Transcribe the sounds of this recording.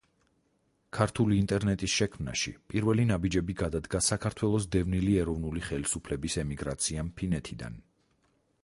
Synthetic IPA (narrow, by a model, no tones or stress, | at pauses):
kʰaɾt̪ʰuliːnt̪ʼɛɾnɛt̪ʼisʃɛkʰmna̰ʃḭpʼiɾvɛlinabid͡ʒɛbiɡad̪ad̪ɡasakʰaɾt̪ʰwɛlˠɔs̬d̪ɛvniliɛɾɔvnuliχɛlisupʰlɛbisɛmiɡɾat̪sʰiampʰinɛt̪ʰid̪a̰n